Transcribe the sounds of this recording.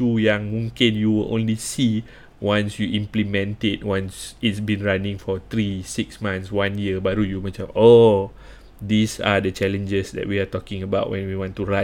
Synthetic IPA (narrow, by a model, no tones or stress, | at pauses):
ujãŋmũŋkĩnjuwɪlʔõ̰nlisi | wãnsjuʔĩmplimɛ̃ntɪt̚wãnsitsbĩnɹanĩŋfɔt̪ɹisiksmãnswãnjiəbaɾujumət͡ʃao | disa̰dət͡ʃɛlə̃nd͡ʒəsdɛ̰ʔ̚wiatɔkĩŋəbaʊt̚wɛ̃nwiwɔ̃ntuɹa